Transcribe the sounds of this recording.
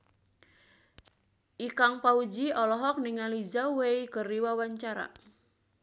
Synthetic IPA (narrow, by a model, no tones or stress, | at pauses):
ʔikaŋpaud͡ʒiɔlɔɦɔk̚niŋalid͡ʒaweikəriwawaɲt͡ʃaɾa̰